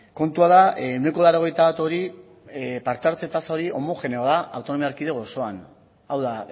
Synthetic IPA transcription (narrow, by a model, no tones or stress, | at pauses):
ko̞nt̪uaðaune̞ko̞ðaɾo̞ɣ̞e̞jt̪aβat̪o̞ɾi | paɾt̪aɾt͡s̪et̪asaoɾiʔo̞mo̞fe̞neaðaawt̪o̞no̞miaɾkiðe̞ɣ̞o̞so̞an | awða